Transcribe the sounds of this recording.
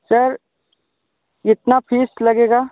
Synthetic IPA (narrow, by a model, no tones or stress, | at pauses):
sɐɾ | ɪt̪napʰiːslɐɡeːɡaː